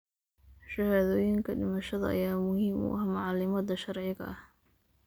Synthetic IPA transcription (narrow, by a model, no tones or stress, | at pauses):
ʃɐhaðɔːjɪŋkʰɐɖɪmɐʃɐðɐ̰ɐ̰jaːmʊhiːmʊ̰ʔɐhmɑʕɑlɪmɐd̪ɐʃɑrʕɪɣɐ̰ɐh